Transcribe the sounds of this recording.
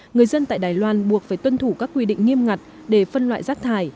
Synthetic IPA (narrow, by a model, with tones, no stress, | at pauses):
ŋɨ˨˩əjzə˧nt̪a̰ː˧˨jɗaː˨˩jlwaː˧nɓu˨˩ək̚faː˧˩jt̪wə˧nt̪ʰu˧˩kaː˦˥kːwi˧ɗḭ˧˨ŋ̟ŋi˧əmŋa˨˩t̚ | ɗe˧˩fə˧nlwa̰ː˧˨jzaː˦˥k̚t̪ʰaː˧˩j